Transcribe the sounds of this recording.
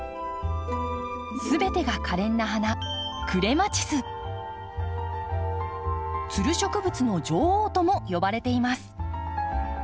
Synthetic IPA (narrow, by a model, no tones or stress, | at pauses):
sɨbe̞t̪e̞ɡakʰaɾẽ̞nːaɦanakɯ̟ɾe̞mat͡ɕi̥sɨ | t͡sɨɾɯ̟ɕo̞kɯ̟bɯ̟t͡sɨno̞d͡ʑo̞ːhoːt̪o̞mo̞jo̞baɾe̞t̪e̞imasɨ̥